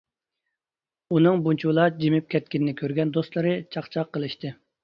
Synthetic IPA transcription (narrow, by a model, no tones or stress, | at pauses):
unɨŋbunt͡ʃʰuwlˠɑd͡ʒimɪp̚kʲʰɛt̪̚kʲɪnɪnɪkʲʰøɾɡʲɛnd̪ost̪lˠɨɾɨt͡ʃʰɑqt͡ʃʰɑqːəlˠɨʃt̪ɨ